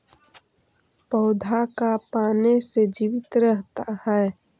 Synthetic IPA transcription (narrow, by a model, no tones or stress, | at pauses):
pɔʊd̪ʱakapaːnesed͡ʒiːʋɪt̪ɾəɦt̪ahɛː